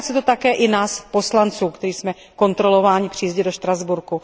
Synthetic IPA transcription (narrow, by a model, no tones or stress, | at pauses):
sɛt̪ot̪akɛːʔɪnaːspo̞slant͡suːkt̪ɛɾiːsmɛ | ko̞nt̪ɾo̞lo̞vaːɲɪpr̝̥iːzɟɪdo̞ʃt̪ɾazbuɾku